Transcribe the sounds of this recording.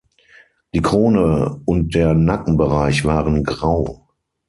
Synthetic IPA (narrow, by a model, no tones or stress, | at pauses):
d̥iːkʁ̥oːnəʊnt̚d̥eːɐnakŋ̩bəʁaɪçv̥aːʁənɡʁaʊ